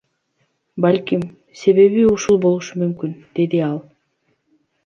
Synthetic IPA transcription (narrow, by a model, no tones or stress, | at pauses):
balʲkim | se̞βe̞βiuʃulˠbo̞lˠuʃumymkynd̪̥e̞d̪iɑlˠ